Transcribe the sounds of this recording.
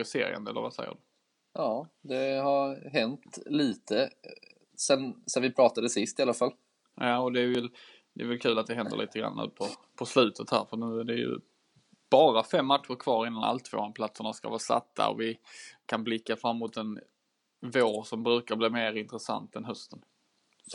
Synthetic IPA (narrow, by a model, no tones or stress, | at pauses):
ɪsḛːɾɪ̰ə̰nd̪əɛlːə̰ɾvasɛjːə̰ɖɵ | jɑːd̪ɛhaɾɦɛnt̪liːt̪ʰə | sɛnsɛnvɪpʰɾɑːt̪ad̪əsɪst̪ɪalafal | jɑːɔd̪ɛːvɛl | d̪ɛːvɛlkʰʉ̟ːlat̪̚d̪ɛɦɛnd̪ə̰lḭːt̪əɡɾa̰nːnʉ̟̰ːpʰɔpʰɔslʉ̟ːt̪ʰət̪hæ̰ːɾfœnʉ̟ːæɖɛjɵ̰ | b̥ɑːɾafɛmːat̪ɧʊɾkʰvɑːɾɪnːana̰lt̪ʰvo̰ːanpʰlat̪səɳaska̰vɑːsa̰t̪ʰːa̰ɔ̰vɪkʰanblɪkːafɾamːmʊt̪ɛn | voːɾsɔmbɾʉ̟ːkabliːmeːɾɪnt̪ɾɛsa̰nt̪ɛnɦœst̪ən